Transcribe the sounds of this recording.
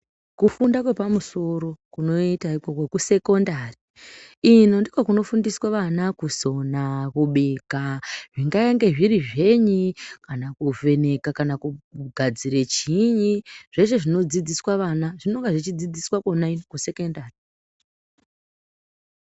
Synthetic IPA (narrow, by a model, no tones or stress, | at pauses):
kufundakwe̞pamuso̞ɾo̞kuno̞itaiko̞ko̞kuse̞ko̞ndari | ino̞ndikwakuno̞fundiswaʋanakuzo̞nakuɓekaʐiŋɡajaŋɡe̞ʐiɾiʐe̞ɲikanakuve̞ne̞kakanakuɡʱad͡ziɾet͡ʃiɲiʐ̥e̞ʐe̞ʐino̞d͡zid͡ziswaʋanaʐinoŋɡeʐit͡ʃid͡zid͡ziswakonainokuse̞kondari